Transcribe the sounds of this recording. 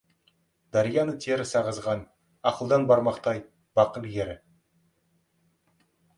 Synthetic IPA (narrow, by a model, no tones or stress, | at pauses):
d̪ɑɾijɑnət̪ʰeɾɪsɑʁəzʁɑn | ɑqəlˠd̪ɑnbɑɾmɑqt̪ɑj | b̥ɑqəlˠjeɾɪ